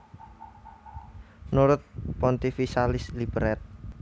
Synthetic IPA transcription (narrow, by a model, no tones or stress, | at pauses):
nuɾʊt̪̚pɔnt̪ifisalɪslibəɾɛt̪̚